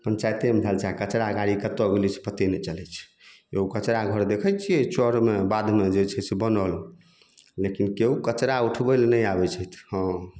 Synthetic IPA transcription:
pənt͡ʃajt̪emd͡ʒ̪ʱalt͡ʃʰakət͡ʃɾaəɡaɾikət̪oɡlit͡ʃʰpət̪enɛt͡ʃəlɛt͡ʃʰ | eukət͡ʃɾaɡʱəɾd̪ekʰəjt͡ʃʰiet͡ʃɔɾmebad̪ʱmed͡ʒet͡ʃʰɛsebənəl | lekinkeukət͡ʃɾauʈʰbəlnəjabɛt͡ʃʰɛt̪ʰhə̃

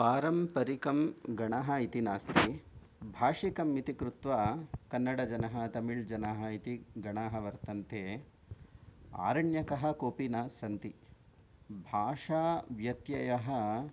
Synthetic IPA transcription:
paːɾɐmpɐɾikɐmɡɐɳaɦɐit̪inaːst̪i | bʱaːʂikɐmːit̪ikɾut̪ʋaːkɐnːɐɽɐd͡ʒɐnɐɦɐ̆t̪ɐmiɭd͡ʒɐnaːɦɐit̪iɡɐɳaːɦɐʋɐɾt̪ɐnt̪ʰeː | a̰ːɾɐɳjɐkɐɦɐ̆koːpinaːsɐnt̪i | bʱaːʂaːʋjɐt̪jɐjɐɦɐ̆

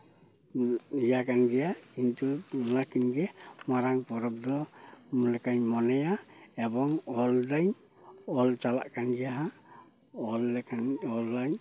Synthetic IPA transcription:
jakanɡɛjakintulakinɡɛmaɾaŋpɔɾɔp̚dɔmulɛkaɲmɔnajaɛbɔŋɔldaɲ | ɔlt͡ʃala̰ʔkʰanɡɛjaɦa | ɔlkʰanɔlːaɲ

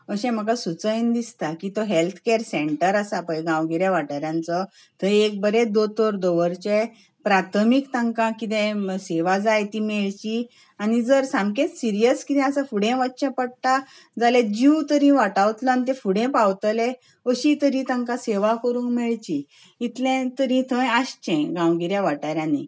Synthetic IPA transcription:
əɕɛ̃m̤əkasut͡səjnd̪ist̪akit̪oɦelt̪ʰkeɾseɳʈəɾasapəjɡãwɡiɾjeʋaʈaɾjãnt͡sə | t̪əek̚bəɾed̪ot̪ʰoɾd̪oʋəɾt͡ɕe | pɾat̪ʰmikt̪aŋkãkit̪ẽseʋad͡zajt̪imeɭt͡ɕi | anid͡zəɾsãmkẽt̪siɾijəskit̪ɛ̃asafuɽɛ̃ʋətːɕẽpəɽt̪a | d͡zalẽd͡ʑiwt̪əɾĩʋaʈawt̪lãnt̪̬ɛ̃fuɽẽpawt̪əle | əɕit̪əɾĩt̪ãŋkãseʋakəɾũːkmɛɭt͡ɕiː | t̪lɛ̃t̪əɾĩt̪ʰə̃jaɕt͡ɕɛ̃ɡãwɡiɾjaʋaʈaɾjãni

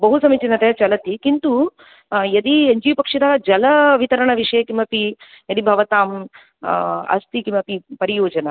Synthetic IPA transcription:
bɐɦusɐmit͡ʃinɐt̪et͡ʃɐlɐt̪ikint̪u | jɐd̪ieɲd͡ʒiːpɐkʂɐd̪ɐɦɐd͡ʒɐlɐʋit̪ɐɾɐɳɐʋiʂɐjɐkimɐpi | jɐd̪ibʱɐʋɐt̪aːm | ɐ̰st̪ikimɐpipɐɾijoːd͡ʒɐnɐ

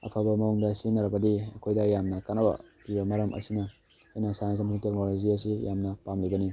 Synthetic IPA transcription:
ɐ̰pʰɐbɐmɐuŋdɐsinɐɾɐbɐdiɐkʰojdɐjamnɐkanɐbɐ̰pibɐmɐɾɐmʔɐ̰sinɐ | ajnɐsajansɐmsiŋtek̚noloziɐs̬ijamnɐpamlibɐni

